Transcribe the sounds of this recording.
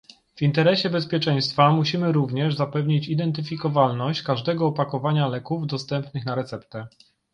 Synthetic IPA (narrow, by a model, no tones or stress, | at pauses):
v̥int̪ɛɾɛɕɛbɛspʲjɛt͡ʂɛ̃j̃st̪famuɕimɘɾuvɲɛʐzapɛvɲit͡ɕid̪ɛnt̪ɘfʲikɔvalnɔɕt͡ɕkaʐd̪ɛɡɔːpakɔvaɲalɛkuvd̪ɔst̪ɛmpnɘxnaɾɛt̪sɛpt̪ɛ